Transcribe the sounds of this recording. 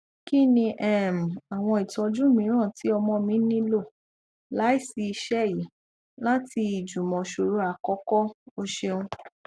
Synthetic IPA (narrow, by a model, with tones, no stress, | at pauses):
ki˦nĩ˧ʔɛ˦˨m̩˨a˨w̃ɔ̃˧i˨tɔ˧d͡ʒũ˦˨mĩ˨˦ɾ̃ã˦˨ti˨˦ɔ˧mɔ̃˧mĩ˨˦nĩ˦lo˦˨ | la˨˦i˦˨si˧i˧ʃɛ˦˨ji˨˦ | la˦ti˧i˨d͡ʒu˨mɔ̃˨ʃu˨ɾu˨˦a˧˨kɔ˦kɔ˦o˧ʃe˧ũ˧